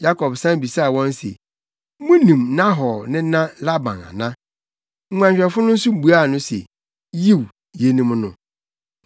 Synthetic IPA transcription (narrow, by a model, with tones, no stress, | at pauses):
ja˦kʰɔ˨bsã˦bi˨sa˦˨wɔ̃˦nsḛ˨ | mʊ̃˦nĩ˨m˦nã˦ɦɔ˨nɪ̃˦nã˦la˦bã̰˨na̰˨nã˦ | ŋ̩˦ŋʷã˨ɲɕᶣɛ˨fʊ˦nʊ̃˦su˦m˨bu˨a˦˨nʊ̃˦sḛ˨ | ji˦˨w | je˦nĩ˦m˦nʊ̰̃˦